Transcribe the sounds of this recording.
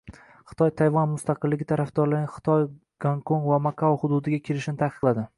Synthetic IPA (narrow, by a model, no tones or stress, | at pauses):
χɨ̥t̪ʰɒjt̪ʰajvɒnmʊst̪ɑqɨlːɪɡʲɪt̪ʰaɾafd̪ɒɾlaɡʲnχɨ̥t̪ʰɒj | ɡ̥aŋkʰonvamakʰaχʊd̪ud̪ɪɡʲakʲʰelɪʃnɪt̪ʰaqʰɨ̥qlˠad̪ɪ